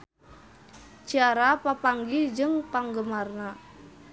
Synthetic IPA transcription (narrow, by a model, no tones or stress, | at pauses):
d͡ʒaɾapapaŋɡid͡ʒəŋpaŋɡəmarna